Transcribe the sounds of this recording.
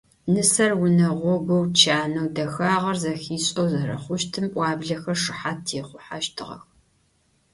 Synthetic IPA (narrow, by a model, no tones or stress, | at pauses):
nɨsɐrwʊnɐʁʷɔɡʷɔwt͡ʃʰaːnɐwdɐxaːʁɐrzɐxiːɕʼɐwzɐɾɐ̰χʷʊʃtʰɨmpʷʼɑːbɮɐxɐrʂɨħatʰiːχʷʊħaʃtʰɨʁɐ̰x